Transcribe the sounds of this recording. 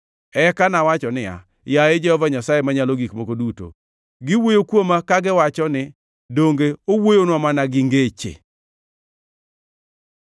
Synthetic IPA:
ɛkanawat͡ʃɔnɪa̰ | jaed͡ʒɛhɔvaɲasajemaɲaloɡikmokoduto̰ | ɡɪwojokwomakaɡɪwat͡ʃɔnɪ | doŋɡeowojonwamanaɡɪŋɡet͡ʃḛ

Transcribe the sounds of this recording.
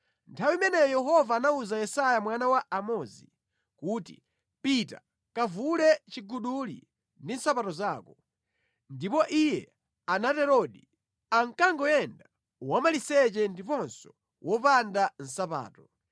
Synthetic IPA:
ntʰawimɛnɛjɔjɛɦɔvaːnauzajɛsajamwanawaʔamɔzḭ | kuːtḭ | pita̰ | kavulɛt͡ʃiɡuɗulḭ | ndin̩sapatɔzaːkɔ | ndipɔʔijɛ̰ | anatɛɾɔɗi | aŋkaŋɡɔjɛnda | wamalisɛt͡ʃɛndipɔnsɔ̥ | wʔɔpandan̩sapa̰ːtɔ

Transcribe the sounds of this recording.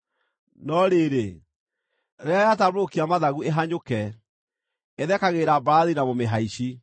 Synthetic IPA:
nɔɾeːɾe | ɾɛajatamokiamaðaɣueɦaɲokɛ | eðɛkaɣeːɾabɾaðinamomeɦaiɕi

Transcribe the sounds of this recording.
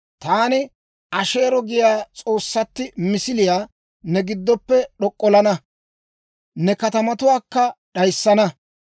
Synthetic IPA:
t̪aːnɪ | ʔɐʃe̞ːɾɔɡɪjaːt͡sʼo̞ːsːɐt̪ːɪmɪsɪlɪjaː | nɛɡɪd̪ːɔpːɛɗɔkʼːɔlɐnɐ | nɛkɐt̪ɐmɐt̪ʊwaːkːɐɗɐjsːɐnɐ

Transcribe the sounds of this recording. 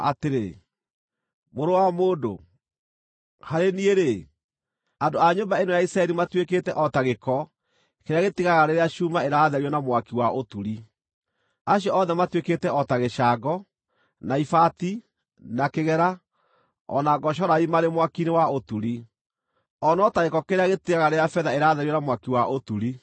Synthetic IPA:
a̰teɾe | moɾowamoːdo̰ | haɾenieɾe | andoaɲombaenojaisɾaɛɾimatweketɛʔɔtaɣekɔ | keɾeaɣetiɣaɣaɾeɾeaʃumaeɾaːðɛɾiɔnamwakiwaʔotuɾi | aɕjɔɔðɛmatweketɛɔtaɣeʃaːɡɔ | naifati | nakeɣɛɾa | ɔ̰naɡɔʃ̬ɔɾaimaɾemwakinewaotuɾi | ɔnɔtaɣekɔkeɾeaɣetiɣaɣaɾeɾjafɛðaeɾaːðɛɾjɔnamwakiwaʔotuɾi

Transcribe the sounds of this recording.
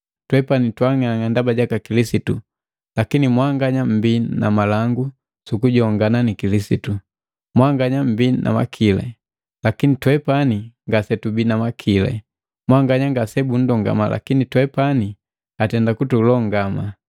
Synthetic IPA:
twɛpanitwaŋaŋandabaɟakakilisitu | lakinimwaŋɡaɲam̩bina̰malaŋɡu | sukuɟɔŋɡananikilisitu | mwaŋɡaɲam̩binʔa̰ma̰kʰilɛ̰ | lakinitwɛpaniŋɡasɛtubinamakʰilɛ̰ | mwaŋɡaɲaŋɡasɛbun̩dɔŋɡa̰mala̰kinitwɛpani | atɛndakutulɔŋɡama

